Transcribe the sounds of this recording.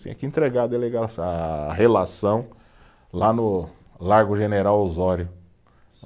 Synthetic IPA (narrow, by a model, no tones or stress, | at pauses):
ḛ̃ɐkɪẽt̪ɾeɡaɐd̪eleɡasaɦelasɐ̃w̃ | lanʊ | laɾɡʊʒeneɾawozɔɾjʊ